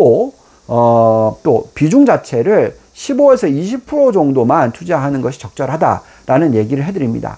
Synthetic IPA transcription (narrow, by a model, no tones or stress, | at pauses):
o | ʌt͈opid͡ʑuŋd͡ʑat͡ɕʰe̞ɾɯɭ | ɕʰiboesʰʌiɕʰipʰɯɾod͡ʑʌŋdomant͡ɕʰud͡ʑeɦanɯnɡʌɕʰi̥t͡ɕʌk̚t͡ɕ͈ʌɾɦada̰ | ɾanɯnje̞ɡiɾɯɭɦe̞dɯɾimɲḭda̰